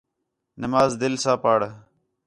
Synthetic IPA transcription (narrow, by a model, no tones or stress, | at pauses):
nɐmaːzd̪ɪlsaːpaːɽɐ